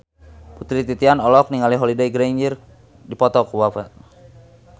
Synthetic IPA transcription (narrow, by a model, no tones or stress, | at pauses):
put̪ɾit̪it̪ianɔlɔk̚niŋaliɦɔlidajɡɾaɲd͡ʒir | dipɔt̪ɔkuwafa